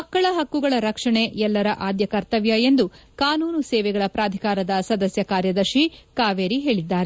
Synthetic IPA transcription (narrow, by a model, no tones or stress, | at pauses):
mɐkːɐɭɐɦɐkːuɡɐɭɐɾɐkʂɐɳe̞ɛlːɐɾɐʔaːd̪jɐkɐɾt̪ɐʋjɐe̞nd̪ukaːnuːnuseːʋɛɡɐɭɐpɾaːd̪ʱikaːɾɐd̪ɐsɐd̪ɐsjɐkaːɾjɐd̪ɐɾʃikaːʋeːɾiɦe̞ːɭid̪ːaːɾe